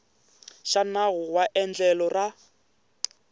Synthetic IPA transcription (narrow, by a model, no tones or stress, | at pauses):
ʃanaɣʊwaʔɛnd͡ɮɛlɔra